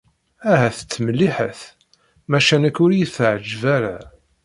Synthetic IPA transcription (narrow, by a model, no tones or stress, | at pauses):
æɦæθə̥t͡sːməlːiħəθ | mæʃænækːʊɾjiθʕəd͡ʒvæɾa̰